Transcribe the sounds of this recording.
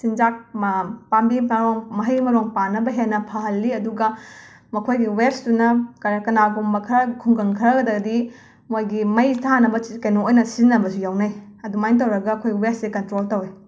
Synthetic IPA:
sind͡ʒak̚pambiɐɾoŋmɐɦɐjmɐɾoŋpanɐbɐɦenːɐpʰaɦɐlːiɐduɡɐ | mɐkʰojɡiweɾsdunɐkɐkɐnaɡumbɐkʰɐɾɐkʰuŋɡɐŋkʰɐɾɐɡɐdɐɡɐdi | mojɡimɐjtʰanɐbɐkɐjnoojnɐsinːɐbɐsujawnaj | ɐdumajnt̬ɐwɾɐɡɐːkʰojɡiwessekɐntɾoltɐwe

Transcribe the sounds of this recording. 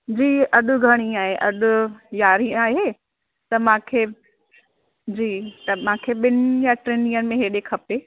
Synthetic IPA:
d͡ʑiːɐɗʊ̆ɡʱɐɽ̃ĩaːɦeʔɐɗʊ̆jaːɾiaːɦe | t̪ɐmãːkʰeː | d͡ʑiːt̪ɐmãːkʰeːɓɪnʊjaʈɾeːnĩːənɪ̆mẽɦeːɗeːkʰɐpeː

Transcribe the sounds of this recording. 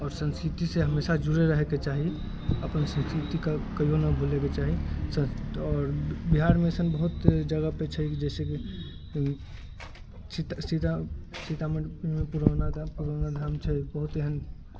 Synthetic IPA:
ɔːɾsə̃nskɾit̪iseɦəmesad͡ʒuɾeɾəɦeket͡ʃaɦi | əpənsə̃nskɾit̪ikakəjonəbʱoleket͡ʃaɦisə̃ɔːɾbiɦaɾmeəsənbəɦut̪d͡ʒəɡəpet͡ʃʰɛkid͡ʒɛseki | t͡ʃit̪sit̪asit̪aməmepuɾənad̪puɾanad̪ʱamt͡ʃʰɛbəɦut̪eɦən

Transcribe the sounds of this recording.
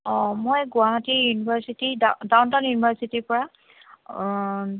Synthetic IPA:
ɔ̃mojɡʊaɦatijunibʱaɹsitidadawntanjunibʱaɹsitipɔɹa

